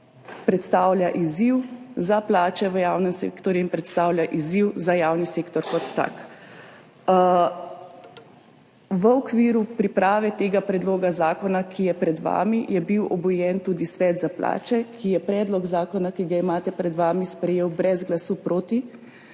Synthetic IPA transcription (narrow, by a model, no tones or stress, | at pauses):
pɾɛt̪st̪awljaʔiziwzaplaːt͡ʃɛʋəjaːwnɛmsḛːkt̪ɔɾjuinpɾɛt̪st̪aːwljaʔiziwzajaːwniseːkt̪ɔɾkɔt̪ːa̰k | ʋəɔkʋiːɾupɾipɾaːʋɛt̪eːɡapɾɛd̪loːɡazaːkɔnakʰijɛpɾɛd̪ʋa̰ːmijɛbiwʔɔbɔjɛnt̪uːd̪isʋɛːd̪zapla̰ːt͡ʃɛkʰijɛpɾɛːd̪lɔɡzaːkɔnakiɡaimaːt̪ɛpɾɛd̪ʋaːmispɾɛjeːwbɾɛzɡlasupɾoːt̪i